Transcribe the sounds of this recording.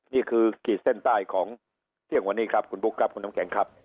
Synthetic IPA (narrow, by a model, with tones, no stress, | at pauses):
niː˥˩kʰɯː˧kiː˨˩se˥˩nt̪aː˥˩jkʰɔː˩˦ŋ | t̪ʰi˥˩əŋwa˧nːiː˥˩kʰɾa˦˥p̚kʰu˧nbu˦˥kʰɾa˦˥p̚kʰu˧nːa˦˥ŋkʰɛː˩˦ŋkʰɾa˦˥p̚